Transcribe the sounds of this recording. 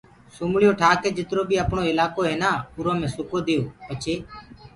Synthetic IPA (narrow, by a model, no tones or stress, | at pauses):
suːmɭɪjoːʈʰaːkeːd͡ʒɪt̪ɾoːbiːəpɳoːɪlaːkoːɦẽːnaːʊɾõːmẽːsʊkoːd̪ejoːpət͡ʃʰeː